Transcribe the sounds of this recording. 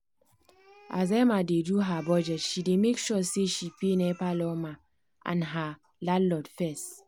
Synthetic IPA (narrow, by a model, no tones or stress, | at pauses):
ʔa̰zamadeduɦabɔd͡ʒɛtʃidemekʃɔseʃipenɛpalɔma | ʔã̰nɦa | lalɔdfɛst